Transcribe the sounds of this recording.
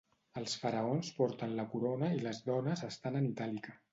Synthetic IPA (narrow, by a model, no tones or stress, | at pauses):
əlˠsfəɾəonspɔɾt̪ənləkuɾonəiləzðɔnəzəst̪anənit̪alikə